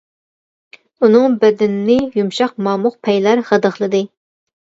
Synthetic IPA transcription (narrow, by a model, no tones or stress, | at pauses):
unɨŋbɛd̪ɪnnɪjumʃɑq̚mɑːmʊqpʰɛjlæɾʁəd̪əχlˠɨd̪ɨ